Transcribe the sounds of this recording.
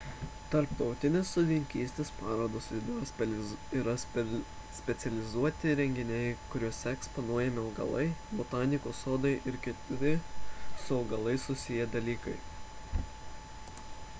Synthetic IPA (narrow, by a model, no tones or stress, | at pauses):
t̪ɐɾpt̪ɒʊt̪ʲɪnʲeːsːoːd̪ʲɪŋʲkʲiːsʲt̪ʲeːspɑːɾoːd̪oːsʲid̪siːɾɐ | sʲpʲɛt̪sʲɛlʲɪzuɔt̪ʲɪɾʲɛŋʲɡʲɪnʲɛɪkʊɾʲuɔsʲɛɛkspɔnuɔjɛmʲɪɐlɡɐ̰lˠɐɪbɔt̪ɑːnʲɪkoːsoːd̪ɐɪʔɪɾkʲɪt̪ɾʲɪsʊɐʊɡɐlˠɐɪsʊsʲɪjɛd̪ɐlʲiːkɐɪ